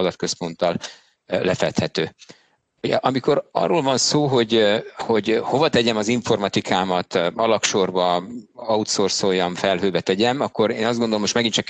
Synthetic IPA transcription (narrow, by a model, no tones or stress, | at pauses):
ɒd̪ɒt̪̚kø̞spo̞nt̪ɒl | lɛfɛt̪hɛt̪øː | oɟʔɒmiko̞ɾɒ̰rːolvɒnsoːɦo̞ɟho̞ɟho̞vɒt̪ɛɟɛmɒziɱfo̞rmɒt̪ikʰaːmɒt̪ɒlɒkʃorbɒɒut̪sorsojːɒɱfɛlɦøːbɛt̪ɛɟɛmɒkːo̞ɾeːnɒzd̪ɡond̪olomːoʃt̪mɛɡint͡ʃɒk